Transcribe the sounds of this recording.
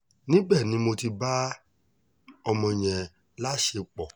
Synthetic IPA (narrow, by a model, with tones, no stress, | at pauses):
nĩ˦bɛ˦˨nĩ˨˦mo˧ti˧ba˦ | ɔ˧mɔ̃˧˨j̃ɛ̃˨ | la˦˨ʃe˧k͡pɔ˨